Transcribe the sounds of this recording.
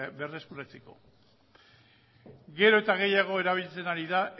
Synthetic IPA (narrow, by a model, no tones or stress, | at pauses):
be̞re̞skuɾat͡se̞ko̞̰ | ɡe̞ɾo̞e̞t̪aɣ̞e̞jaɣ̞o̞e̞ɾaβ̞ilt͡se̞naɾiðaʔ